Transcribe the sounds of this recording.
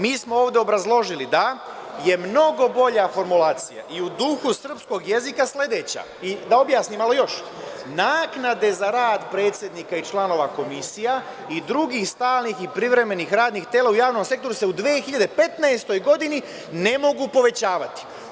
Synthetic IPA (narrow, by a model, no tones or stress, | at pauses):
miːsmo̞oːʋd̪e̞o̞bɾazlˠo̞ʒilid̪a | je̞mno̞ɡo̞bo̞ʎafo̞ɾmulaːt̪sija̰ʔiud̪uxusr̩psko̞ɡjezikasle̞d̪et͡ɕa̰ | id̪ao̞bjaːsnimalˠo̞jo̞ʃ | naːknad̪e̞zaɾaːd̪pɾe̞ːt̪sʲje̞d̪niːkait͡ʃlano̞ːʋako̞misija | id̪ɾuɡiːxst̪aːlnixipɾiʋɾe̞me̞nixɾaːd̪nixt̪eːlˠaujaːʋno̞mse̞k̚t̪oɾuse̞ud̪ʋeːxiʎad̪epe̞t̪naest̪o̞jɡo̞d̪ini | ne̞mo̞ɡupo̞ʋe̞t͡ɕaːʋat̪i̥